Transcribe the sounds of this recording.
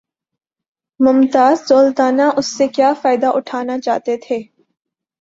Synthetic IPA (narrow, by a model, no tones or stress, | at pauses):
mʊmt̪aːzzoːlt̪aːnaʔʊsːekjaːfaːɪd̪aʔʊʈʰaːnat͡ʃa̰ːt̪et̪ʰeː